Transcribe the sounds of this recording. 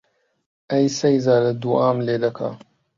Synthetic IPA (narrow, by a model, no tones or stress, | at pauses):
ɐjsejzaːlɐd̪uʔaːmleːd̪ɐkʰa̰